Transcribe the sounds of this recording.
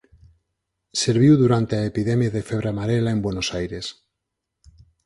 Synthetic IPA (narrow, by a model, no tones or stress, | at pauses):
seɾβ̞iwðuɾant̪eaepiðemjaðefeβ̞ɾamaɾelaembwenosajɾes